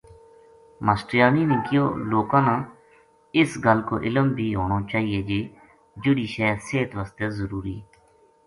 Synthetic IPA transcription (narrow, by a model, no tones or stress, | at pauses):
məsʈɪjaːniːnĩːkɪjo̰ːloːkãːnãː | ɪsɡəlko̰ːʔɪləmbʱiːɦoːnoːt͡ʃaːɦiːeːd͡ʒiː | d͡ʒʊɽiːʃɛːseːt̪ʋaːst̪eːzəɾuːɾḭː